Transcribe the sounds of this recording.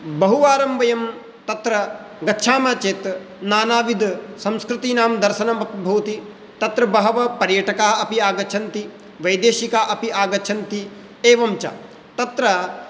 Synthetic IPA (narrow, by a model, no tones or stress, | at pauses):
bɐɦuʋaːɾɐmʋɐjɐm | t̪ɐt̪ɾɐ | ɡɐtːʃʰaːmaːt͡ʃeːt̪ | naːnaːʋid̪sɐmskɾɨt̪iːnaːmd̪ɐɾʃɐnɐmɐp̪bʱuːt̪i | t̪ɐt̪ɾɐbɐɦɐʋɐpɐɾjɐʈɐkaːɦɐɐpiaːɡɐt͡ʃʰɐnt̪i | ʋɐjd̪eːʃikaːʔɐpiʔaːɡɐt͡ʃʰɐnt̪i | eːʋɐmt͡ʃɐ̰ | t̪ɐt̪ɾɐ